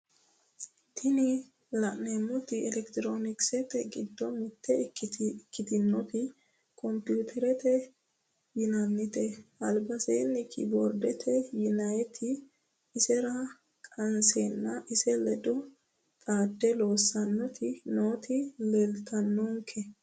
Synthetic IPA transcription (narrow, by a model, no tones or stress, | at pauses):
t̪ʰɪnɪ | lɐʔneːmːɔt̪ɪɛlɛkt̪ɪɾoːnɪksɛt̪ɛɡɪd̪ːɔmɪt̪ːɛ | kːɪt̪ɪnːɔt̪ɪ | kʰʼɔmpjuːt̪ʰɛɾɛt̪ɛ | jɪnɐnːɪt̪ɛɐlbɐseːnɪkʰɪ̰boɾd̪ɛt̪ʰɛjɪnɐjɛt̪ʰɪː | sɛɾɐ | kʼɐnseːnːɐʔɪsɛlɛd̪ɔ | t̪ʼaːd̪ːɛlo̞ːsːɐnːɔt̪ʰɪnoːt̪ɪlɛlt̪ʰɐnːɔŋkʰɛ